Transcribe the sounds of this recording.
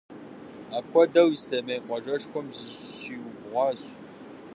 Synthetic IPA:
aːpkʷɔdɐwistɐmɐjqʷʼɔʒɐʂxʷɔmzɨzɕiːwbʁʷɑːɕ

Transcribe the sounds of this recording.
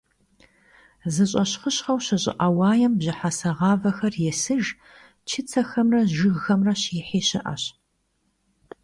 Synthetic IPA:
zɨɕʼɐɕχəɕχɐwɕɐɕʼɪ̰ʔɐwɑːjɛmbʑɪħasɐʁɑːvɐxɐrjɛsɨʒ | t͡ʃʰɪt͡sʰɐxɐmrɐʒɨɣxɐmrɐɕɪħeːɕɪʔɐ̰ɕ

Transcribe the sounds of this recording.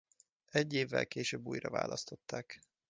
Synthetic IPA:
ɛɟːeːvːɛ̰lkeːʃøːbːuːjrɒva̰ːlɒst̪o̞t̪ːaːk

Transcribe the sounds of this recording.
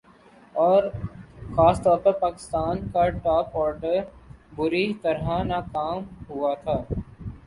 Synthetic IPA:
ɔːɾxaːst̪ɔːɾpɐɾpaːkɪ̥st̪aːnkaʈɔːpɔːɾɖəɾbʊɾit̪ɐɾɦanaːkaːmɦʊat̪ʰaː

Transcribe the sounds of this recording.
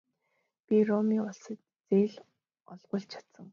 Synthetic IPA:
pʲirɔmiːʊɮsə̆t | t͡seːɮ | ɔɮʁə̆ɬt͡ɕʰḁt̪sə̆ŋ

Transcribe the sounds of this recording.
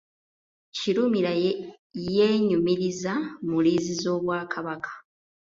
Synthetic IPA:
ciɾumiɾa | je̞ːɲumiɾizamuliːzizo̞ːβwaːkʰaβakʰḁ

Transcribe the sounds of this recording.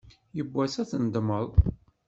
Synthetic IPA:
jəbːæsæθənd̪məðˤ

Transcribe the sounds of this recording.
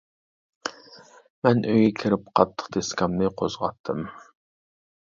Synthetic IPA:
mɛnʔøjʲɛkʲʰɪɾɪp̚qʰɑt̪ʰːə̥qd̪ʰeskʲɑmnɨqʰozʁɑt̪ʰːɨm

